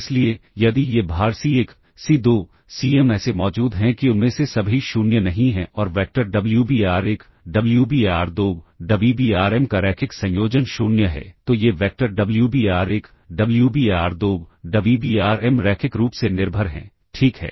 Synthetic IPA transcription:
ɪsliejɐd̪ijebʱaːɾsieːk | sid̪oː | siːeːmɛːsemɔːd͡ʒuːd̪ɦɛ̃kiʊnmẽsesɐbʱiʃuːnjənɐɦĩɦɛ̃ɔːɾʋɛːk̚ʈəɾɖɐbljubiːaːɾek | ɖɐbljubiːaːɾd̪oːɡɖɐblubiaːɾɛːmkaɾɛːkʰɪksɐ̃joːd͡ʒənʃʊːnjəɦɛ̰ːt̪ojeʋɛːk̚ʈəɾɖɐbljubiːaːɾek | ɖɐbljubiːaːɾd̪oːɡɖɐblubiːaːɾɛmɾɛːkʰɪkɾuːpsenɪɾbʱəɾɦɛ̰̃ː | ʈʰiːkɦɛ̰ː

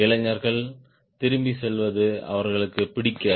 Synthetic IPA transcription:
ɪɭɐɲːɐɾɣɐɭ | t̪ɪɾɯmbisɛlʋɐðɯɐ̰ʋɐɾɣɐɭɯkːɯpɪɽɪkːɐː

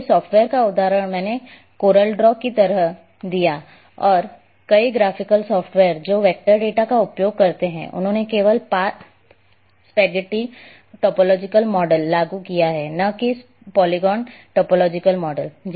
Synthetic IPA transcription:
sɔːpʈʋeːəɾkaʊd̪aːɾəɽ̃mɛ̃ːne | koːɾəlɖɾɔːkit̪ɐɾəɦ | d̪ija | ɔːɾ | kɐiɡɾaːfʰɪkəlsɔːpʈʋeːəɾd͡ʒoːʋɛːk̚ʈəɾɖeːʈakaʊpjoːɡ̚kɐɾt̪eɦɛ̰̃ʔʊ̰nɦõːnekeːʋəlpaː | spɛːɡɪʈi | ʈɔːpɔːlɔːd͡ʒɪkəlmɔːɖəlːaːɡukijaɦɛnakis | pɔːliɡɔːnʈɔːpɔlɔːd͡ʒɪkəlmɔːɖəld͡ʒ

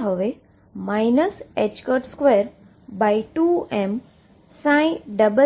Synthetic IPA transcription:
ɦoʋe | maːɪnəset͡ɕkəɾʈskʋeəɾ | baːiʈuem | sãːɪ̃ɖəbə

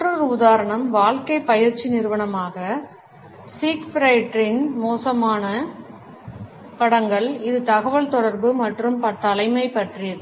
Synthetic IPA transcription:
rɯɾʊðaːɾɐɳɐmʋaːɭkɐɪpɐjɪɾt͡ʃːinɪɾɯʋɐɳɐmaːɣɐ | siːkfɾɐɪʈɾɪnmoːsɐmaːnɐ | pɐɽɐŋɡɐɭɪðɯt̪ɐɣɐʋɐɭt̪ɔɽɐɾbɯmɐʈrɯmpɐʈ̪ːɐlɐɪmɐɪpɐʈrɪjɐðɯ

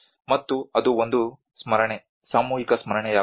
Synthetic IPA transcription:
mɐt̪ːuɐd̪uond̪u | smɐɾɐɳe | saːmuːɦikɐsmɐɾɐɳɛjaː

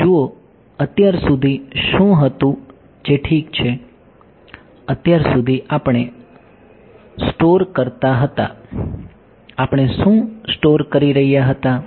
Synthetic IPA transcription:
d͡ʒuo | ət̪jaɾsud̪ʱiʃũɦət̪ũ | d͡ʒeʈʰikt͡ʃʰe | ət̪jaɾsud̪ʱiʔapɳ̃e | sʈoɾkəɾt̪aɦət̪a̰ | apɳ̃eʃũsʈoɾkəɾiɾəɦijaɦət̪a

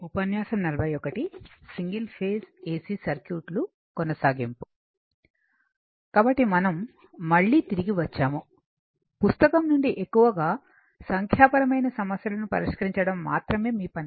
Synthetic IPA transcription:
upɐnjaːsɐmnɐlɐbʱɐjɔkɐʈisiŋɡilpʰeːseːsiːsɐɾkjuːʈlu | kɔnɐsaːɡimpu̥ | kaːbɐʈːimɐnɐmː | ɐɭːiːt̪iɾiɡiʋɐt͡ʃːaːmu | pust̪ɐkɐmnuɳɖiʔekːuʋɐɡaː | sɐŋkʰjaːpɐɾɐmɐjnɐsɐmɐsjɐlɐnupɐ̰ɾiʂkɐɾiɲt͡ʃɐɽɐmːa̰ːt̪ɾɐme̞ːmiːpɐni

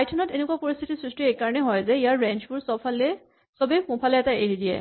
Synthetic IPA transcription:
ajtʰɔnɔtenekuwapoɹist̪ʰitisɹistɹiejkaɹɔnɛɦɔjzɛijaɹɹɛ̃nt͡ʃbuɹsɔpʰalɛ | sɔbɛpʊ̃pʰalɛɛtaeɦidijɛ̰

